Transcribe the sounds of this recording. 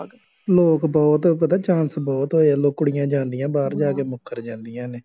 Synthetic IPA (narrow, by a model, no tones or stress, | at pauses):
loːkbɔːt̪pət̪aːt͡ʃãːnsbɔːt̪ɦoːaːloːkːʊɽɪjãːd͡ʒãːnd̪ɪjãːbaːɾd͡ʒaːkeːmʊkʰːəɾd͡ʒãːnd̪ijãːneː